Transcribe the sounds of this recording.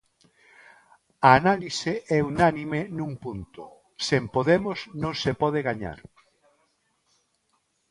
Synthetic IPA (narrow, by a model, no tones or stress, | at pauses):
aːnaliseʔɛunanimenũŋpunt̪ʊ̰ | sempoðemʊsnõŋsepɔðeɣaɲa̰ɾ